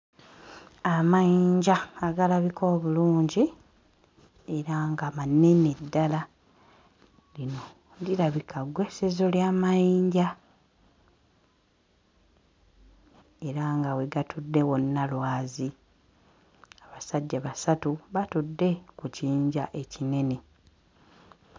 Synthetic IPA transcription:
amajiːɲɟaːɡalaβikʰo̞ːβuluːɲɟi | e̞ɾaŋɡamane̞nedːala | lino̞ | ndilaβikaɡwe̞sezo̞ljaːmajiːɲɟa | e̞ɾaŋɡawe̞ɡatʰudːe̞wo̞nːalwaːzi | aβasaɟːaβasatuβatudːe̞kuciːɲɟaʔe̞cine̞ne̞

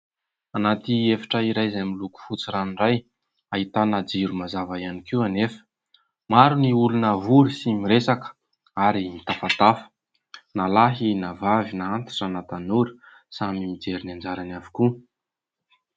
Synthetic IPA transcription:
anat̪iefḁʈ͡ʂaiɾajzamiluku̥fut͡siɾaniraj | ait̪anad͡ziɾumazavajanikiwanefə̥ | maɾuniulunəvuɾisimiɾesakə̥ | aɾimit̪afat̪afə̥ | nalaɦinavavinaant̪i̥ʈ͡ʂanat̪anuɾi̥ | samimid͡zeɾinand͡ʒaɾanavi̥ku

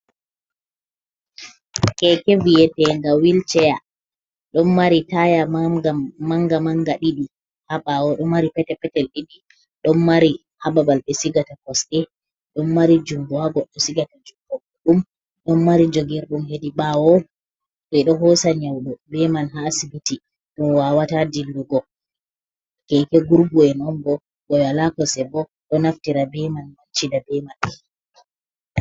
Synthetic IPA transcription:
kɛkevijɛtɛŋɡawilt͡ʃɛja | ɗɔnmaɾitajamaɡamaŋɡamaŋɡaɗiɗi | haɓawɔɗɔmːaɾipɛtɛpɛtɛlɗiɗi | ɗɔnːaɾi | hababalɓɛsiɡatakɔsɗɛ | ɗɔmːaɾid͡ʒumbuaɡɔɗɔsiɡatad͡ʒumbɔɡɔɗum | ɗɔnmaɾid͡ʒoɡɛɾɗumɦediɓawɔ | ɓɛɗɔɦɔsaɲawɗɔbɛmanɦaːsibiti | ɗɔwaːwatadilːuɡɔ | kɛkɛɡuɾɡuɛnɔnɡɔ | ɡɔwalakɔsɛbɔ | ɗɔnaftiɾabɛmanmant͡ʃidabɛman

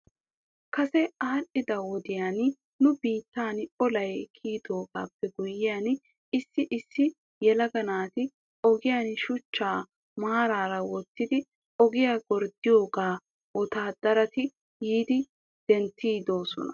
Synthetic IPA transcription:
kɐsɛaːɾʔɪd̪ɐwɔd̪ɪjaːn | nʊbiːt̪ːaːnɔlɐjkʰiːd̪o̞ːɡa̰ːpːɛɡʊjːɪjaːn | ɪsːɪʔɪsːɪ | jɛlɐɡɐnaːt̪ɪ | ʔɔɡɪjaːnʃʊt͡ʃːaː | maːɾaːɾɐwɔt̪ːɪd̪ɪ | ɔɡɪjaɡɔɾd̪ɪjo̞ːɡaː | wɔt̪aːd̪̥ɐɾɐt̪ɪ | jiːd̪ɪ | d̪̥ɛnt̪ːiːd̪o̞ːsɔ̰nɐ̰

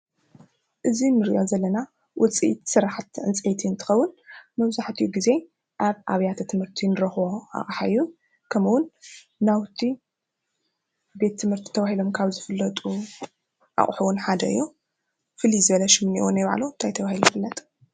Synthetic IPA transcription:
ʔɨzinɨɾiʔozɐlːɐna | wʔɔt͡sʼiʔḭt̪sɨɾaħat̪ʕɨ̰nt͡sʼʔet̪ʰiɨnt̪ʰɨ̥xɐwːʊnmɐβzaħt̪ʰɨjuɡize̞ | ʔaβʔaβjat̪ʰɐt̪ʰɨmhɨɾt̪ʰinɨɾɐxβoa̰χʼħaɨjːu | kʰɐmuwʊn | nawt̪ʰi | be̞t̪ʰːɨmhɨɾt̪ʰi̥t̪ʰɐβahilo̞mkʰaβzɨfɨlːɐt̪ʼu | ʔa̰χʼħuwʊnħad̪ɐ̰ɨ̰jːu | fɨlizɨβɐlɐʃɪmniwonajβaʕ̰lont̪ʰajt̪ʰɐβahilujfɨlːɐt̪ʼ

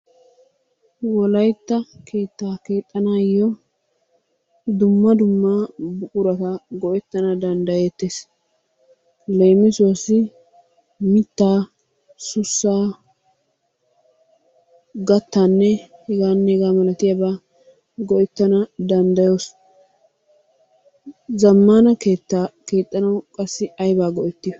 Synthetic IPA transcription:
wɔlɐjt̪ːɐkʰe̞ːt̪ːaːke̞ːt̪ʼːɐnaːjːɔ | d̪ʊmːɐd̪ʊmːabʊkʼʊɾɐt̪ɐɡɔʔɛt̪ːɐnɐd̪ɐnd̪ɐjeːt̪ːeːs | le̞ːmɪsʊwɐsːɪ | mɪt̪ːaː | sʊsːaː | ɡɐt̪ːaːnːɛhɪɡaːnːɛɛɡaːmɐlɐt̪ɪjɐbaː | ɡɔʔɛt̪ːɐnɐd̪ɐnd̪ɐjoːs | zɐmːanɐkeːt̪ːake̞ːt̪ʼːɐnɐwkʼɐsːɪɐjbaːɡɔʔɛt̪ːɪj

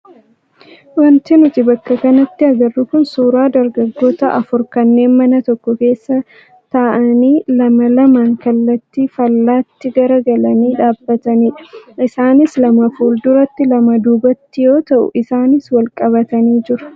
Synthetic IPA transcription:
wɐnt̪ɪnʊt̪ɪbɐkːɐkɐnɐt̪ːɪɐɡɐrːʊkʊnsuːɾaːd̪ɐɾɡɐɡːo̞ːt̪ɐʔɐfʊɾkɐnːe̞ːnmɐnɐt̪ɔkːɔke̞ːsːɐ | t̪aːʔɐniːlɐmɐlɐmaːŋkɐlːɐt̪ːiːfɐlːaːt̪ːɪɡɐɾɐɡɐlɐniːᶑaːbːɐt̪ɐniːᶑɐ̥ʔɪsaːnɪslɐmɐfuːld̪ʊɾɐt̪ːɪlɐmɐd̪uːbɐt̪ːɪjo̞ːt̪ɐʔʊ̰ʔɪsaːnɪswɐlkʼɐβɐt̪ɐniːd͡ʒɪɾɐ̥

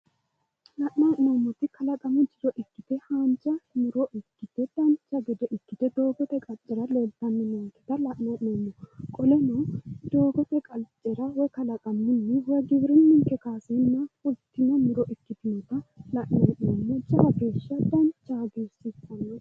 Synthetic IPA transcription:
lɐʔnaːʔnoːmːɔt̪ːɪkɐlɐkʼɐmʊd͡ʒɪɾɔʔɪkːɪt̪ɛhaːnt͡ʃʼːɐnʊɾɔʔɪkːɪt̪ɛd̪̥ɐnt͡ʃːɐɡɛd̪ɛʔɪkːɪt̪ɛd̪oːɡɔt̪ɛkʼɐt͡ʃʼːɛɾɐlɔlt̪ːɐnːɪnoːnt̪ːɛt̪ɐlɐʔnaːʔɪnoːmːɔkʼɔlɛnɔd̪o̞ːɡɔt̪ɛkʼɐlt͡ʃʼːɛɾɐwɔjkɐlɐkʼɐmːɪnːɛwɔjɡɪβɾɪnːɪŋkɛkaːsɛnːɐʊlt̪ːɪnɐmʊɾɔʔɪkːɪt̪ɪnɛt̪ɐlɐʔnaːʔnoːmːɔd͡ʒɐɐɡe̞ːʃːɐd̪ɐnt͡ʃːaɡeːsɪsɐnː

